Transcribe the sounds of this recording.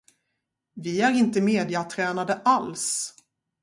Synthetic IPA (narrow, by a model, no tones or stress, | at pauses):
vɪæɾɪnt̪əmeːd̪ɪat̪ʰɾɛːnad̪əʔals